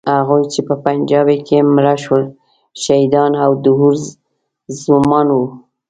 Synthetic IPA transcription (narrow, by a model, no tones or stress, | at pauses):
haɣujt͡ʃepəpand͡ʒɑbekʰemɾaʃwəl | ʃaid̪ɑnawd̪ʊɦuɾ | zʊmɑnwu